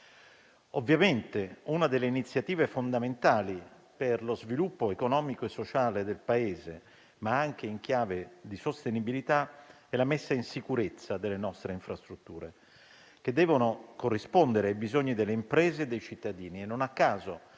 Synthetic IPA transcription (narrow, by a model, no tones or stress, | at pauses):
ovːjament̪eunad̪elːeinit̪sːjat̪iːvefond̪ament̪aːli | perlozvilupːoekonɔːmikoesːot͡ʃaːled̪elpaeːze | maaŋk̟eiŋk̟jaːved̪isost̪enibilit̪a | ɛlːamesːainsikuɾet̪sːad̪elːenɔst̪ɾeiɱfɾast̪ɾut̪ːuːɾḛ | k̟ed̪ːɛːvonokorːispond̪eɾeajbizoɲːid̪elːeimpɾeːzeːd̪ːejt͡ʃit̪ːad̪iːniɛnːonakːaːzo